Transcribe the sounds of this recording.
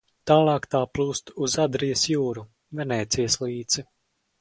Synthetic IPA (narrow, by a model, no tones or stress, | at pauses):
t̪aːlˠɑːkt̪aːplˠuːst̪uzad̪ɾijɐsjuːɾu | vɛnɛːt̪sijəslˠiːd̪z̥i